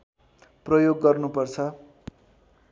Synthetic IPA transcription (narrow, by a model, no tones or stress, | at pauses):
prʌjoɡːʌrnupʌrt͡sʰʌ